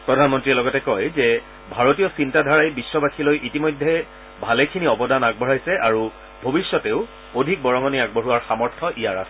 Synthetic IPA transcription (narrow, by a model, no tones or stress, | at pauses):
pɹɔdʱanmɔntɹiɛlɔɡɔtɛkɔjzɛ | bʱaɹotiɔsintadʱaɹajbiswɔbakʰilojʔitimɔjdʱːɛ | bʱalɛkʰiniɔbɔdanaɡ̚bʱɔɹajsɛʔaɹu | bʱobisːɔteʊ | odʱik̚bɔɹɔmaniaɡ̚bɔɹuwaɹxamɔɹtʰɔʔijaɹasɛ